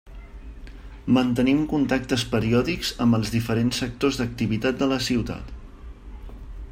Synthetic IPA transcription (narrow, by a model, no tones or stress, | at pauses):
mənt̪ənimkunt̪ak̚t̪əspəɾiɔðikz̥əmbəlˠzðifəɾensːək̚t̪ozðək̚t̪iβit̪at̪̚d̪ələsiwt̪a̰t̪